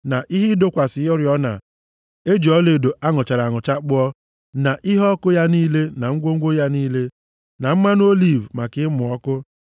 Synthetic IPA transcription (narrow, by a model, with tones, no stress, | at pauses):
na˨ʔi˦ɦɪ˦do˦kʷa˨sɪ˨˦ɔ˦ɾjɔ˦na̰˨ | e˦d͡ʒi˨ɔ˦le˨do˨ʔa˦ŋʊ˨t͡ʃa˨ɾa˨ŋʊ˨t͡ʃa˦k͡pʊ˦ɔ˦ | na˨ʔɪ˦ɦɔ˦kʊ˦ja˦niː˦le˦na˨ŋ̩˦ɡʷo˦ŋ̩˦ɡʷo˦ja˦niː˦le˦ | na˨m̩˦ma˦n˦o˦li˦˨vma˨kɪ˦mʊ˨ɔ˦kʊ˦